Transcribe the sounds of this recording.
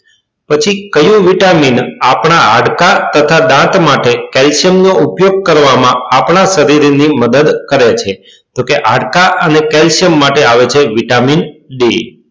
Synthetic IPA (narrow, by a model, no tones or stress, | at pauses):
pət͡ʃʰikəjũʋiʈaminapɳ̃aaɽkat̪ət̪ʰad̪ãt̪maʈekɛlʃjəmnoʔupjoɡ̚kəɾʋamãapɳaʃəɾiɾniməd̪əd̪kəɾet͡ʃʰe | d͡ʒokeʔaɽkaʔənekɛlʃəmːaʈeaʋet͡ʃʰeʋiʈaminɖe